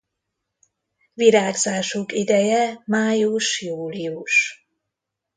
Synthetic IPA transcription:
viɾaːɡzaːʃukid̪ɛjɛmaːjuʃjuːliuʃ

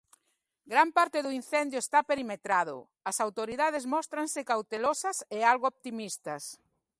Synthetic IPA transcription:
ɡɾampaɾt̪eðʊin̟θɛnd̪jʊest̪apeɾimet̪ɾaðʊ̰ | ɐsawt̪oɾiðað̞ezmɔst̪ɾansɪkawt̪elosɐsealɣoop̚t̪imist̪ɐs

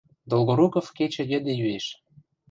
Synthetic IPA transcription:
d̪olɣoɾukofket͡ɕə̆jĕd̪ĕjyeʃ

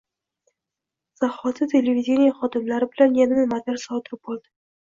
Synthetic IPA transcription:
z̥aχɒt̪ʰɪt̪ʰe̞levid̪ʲenijaχɒd̪ɪmlaɾɪbɪlanjanɪnɪmad̪aɾsɒt̪ʰɪɾɪp̚bolˠd̪ɪ

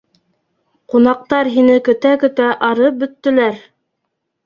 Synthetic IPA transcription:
qunɑq̚t̪ɑɾɦinɘkɵ̆t̪ækɵ̆t̪æʔɑɾɤp̚bɵ̆t̪ːɘ̆læɾ

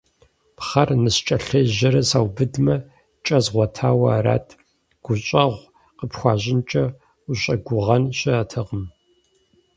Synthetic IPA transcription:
pχɐrnɨst͡ʃʼɐɬɐʒɐɾɐsaːwbɨdmɐ | t͡ʃʼɐzʁʷɔtʰaːwɐaɾa̰ːtʰ | ɡ̥ʷʊɕʼɐʁʷ | qəpxʷɑːʑɪnt͡ʃʼɐ | ʊɕʼɐɡʷʊʁɐnɕɪːtʰɐʁəm

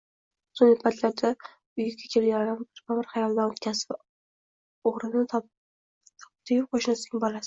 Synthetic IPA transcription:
sonɪpʰat̪ʰlaɾd̪a | ʊjɪɡʲakʲʰe̞ljaɾambɪɾbamɪɾχɑjɒlˠd̪anot̪kʲʰazv | oʁɾɪnɪt̪ʰ | t̪ʰp̚t̪ʰɪjʲɪp̚qʰoʃnasɪ̥ɡʲabɒlasɪ̥

